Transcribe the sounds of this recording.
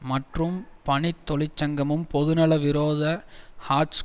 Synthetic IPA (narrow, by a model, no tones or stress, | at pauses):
mɐʈrɯmpɐɳɪt̪ːɔlɪt͡ʃːɐŋɡɐmɯmpɔðɯnɐlɐʋɪɾoːðɐhaːs